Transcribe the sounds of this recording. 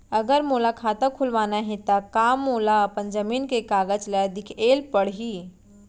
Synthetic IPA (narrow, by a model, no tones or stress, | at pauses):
əɡəɾmoːlakʰaːt̪əkʰʊlʋaːnaɦɛ̃t̪akaːmːoːlaəpənd͡ʒəmiːnkekaːɡəd͡ʒlɛd̪ɪkʰeːlpəɽ̤ɦi